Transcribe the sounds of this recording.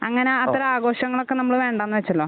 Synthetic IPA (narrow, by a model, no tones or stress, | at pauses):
ɐŋːɐneɐt̪ːɐɾɐaːɡo̞ːɕɐŋːɐɭokːenɐmːɐɭɨʋe̞ːɳɖaːnːɨʋet͡ɕːɐlːo̞ː